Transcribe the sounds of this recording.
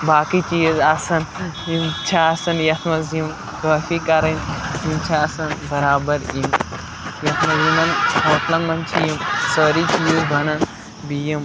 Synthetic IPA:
baːkit͡ʃiːzɐsɐn | imt͡ʃʰaɐsɐnjɐt̪ʰmɐzim | ɡɐːfikɐɾɐnimt͡ʃʰaːsɐnbɐɾaːbɐɾim | jɐt̪ʰmɐzimɐnɦoːt̪lɐnmɐnt͡ʃʰijimsəɾit͡ʃiːzbʱɐnɐn | bijim

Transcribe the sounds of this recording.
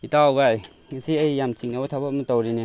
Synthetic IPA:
itawɡaj | ŋasiajːamt͡ʃiŋnawt̪ʰabɔmɯtɔwɾini

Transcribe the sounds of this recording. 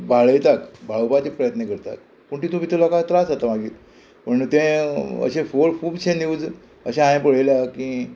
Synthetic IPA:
bʱaɭəjt̪akbʱaɭowpat͡ɕipɾəjət̪nekəɾt̪a̰k | puɳʈiːt̪õbit̪ʰəlakat̪ɾasat̪amaɡiːt̪ | pəɳt̪ẽə̰ɕẽfoɾkuːbt͡ɕẽniud͡z | əɕaãjẽpəɭ̤əjlakĩː

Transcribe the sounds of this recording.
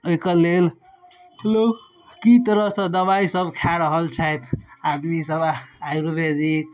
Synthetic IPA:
oikəɾlel | ɦəlo | kit̪əɾəɦsə̃d̪əbaisəbkʰaɾəɦəlt͡ʃʰat̪ʰad̪misəbajɾubed̪ik̚

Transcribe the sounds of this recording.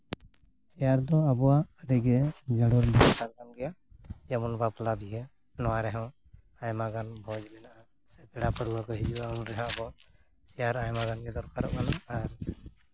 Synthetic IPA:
sɛjaɾd̪ɔabɔwaədiɡɛd͡ʒəɽɔɾdikaɾkanɡɛja | d͡ʒamunbaplabʱiɦɛ | nɔwaɾɛɦɔ̃ | ajmaɡanbʱɔd͡ʒbɛnaa | sɛpɛɽapəɾuwakɔɦid͡ʒuaunɾɛɦɔ̃abɔ | sɛjaɾajmaɡankɛd̪ɔɾkaɾɔ̰ʔkanɔaɾ

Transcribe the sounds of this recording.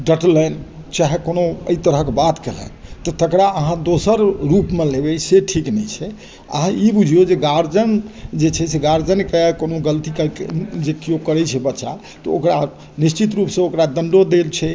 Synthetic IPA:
ɖəʈlɛn | t͡ʃaɦɛkonoə̰it̪əɾəɦkebat̪kelə̰nt̪ɔt̪əkɾaəɦãd̪osəɾɾupmẽlebɛseʈʰiknɛjt͡ʃʰɛ | ə̰ɦãibud͡ʒʱijod͡ʒeɡaɾd͡ʒənd͡ʒet͡ʃʰɛseɡaɾd͡ʒənkekonoɡəlt̪ikəkd͡ʒekijokəɾɛt͡ʃʰɛbətːʃa̰ | t̪ɔokɾa | nist͡ʃit̪ɾupsẽokɾad̪əɳɖod̪elt͡ʃʰɛ

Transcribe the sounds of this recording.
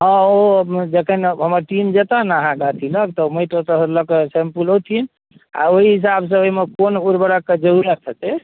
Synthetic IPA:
ɦɔ̃od͡ʒekʰənɦəməɾʈimd͡ʒet̪anaɦãɡat̪ʰilək̚t̪ɔməiʈ̪ot̪ələkesempulot̪ʰin | a̰oɦiɦis̬abs̬ə̃oimekonuɾbəɾaked͡ʒəɾuɾət̪ʰət̪ɛ

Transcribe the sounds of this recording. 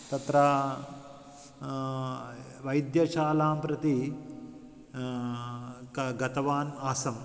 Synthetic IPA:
t̪ɐt̪ɾaː | ʋɐjd̪jɐt͡ʃaːlaːmpɾɐt̪i | kɐɡɐt̪ɐʋaːnaːsɐm

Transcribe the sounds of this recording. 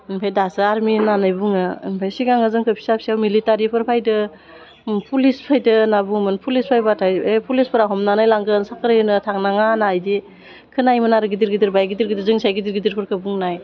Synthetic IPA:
npʰejdasɯaɾminanajbuŋɯnpʰajsiɡaŋɯzɯŋkʰɯpʰi̥sap̚siawmilitaɾipʰɯɾpʰajdɯ | pʰulispʰajdɯnabuŋmɯnpʰulispʰajbatʰajepʰulispʰɯɾaɦɔmnanajlaŋɡɯnsakʰɯɾɯnɯtʰaŋnaŋanajde | kʰɯnajmɯnaɾɯɡidiɾɡidiɾbajɡidiɾɡidizɯŋsajɡidiɾɡidiɾpʰɯɾkʰɯbuŋnaj

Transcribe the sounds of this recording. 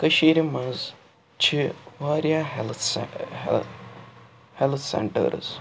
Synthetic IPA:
kɐʃiːɾimɐz | t͡ʃʰiʋaːɾijaːɦl | helt̪ʰsḛɳʈə̰ɾɨ̰z

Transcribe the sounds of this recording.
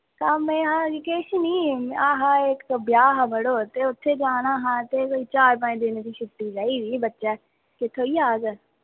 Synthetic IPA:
kaːmɛ̃ːɦãːd͡ʒkeːʃniːaːɦãːekbjaːɦãːbəɽoːt̪eːʊt̪ʰːeːd͡ʒaːnaːɦãːt̪eːkoiːt͡ʃaːɾpãd̪ɪnd̪iːʃʰʊʈːiːd͡ʒaːiːdiːbətːʃɛː | kɪt̪ʰːoːiːaːɡ

